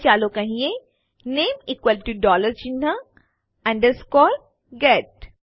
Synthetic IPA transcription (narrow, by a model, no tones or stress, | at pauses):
t͡ʃaːlokɐɦĩẽ | neːmikwəlʈuɖɔːləɾd͡ʒinɐ | ɐ̃ɳɖəɾskɔːl | ɡɛʈ̚